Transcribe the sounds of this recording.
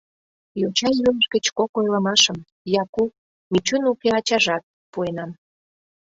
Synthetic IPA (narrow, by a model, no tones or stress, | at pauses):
jot͡ɕɑjyləʃɡət͡ɕkokojlə̆mɑʃəm | jɑkup | mit͡ɕunukeɑt͡ɕɑʒɑt̪̚ | puenɑm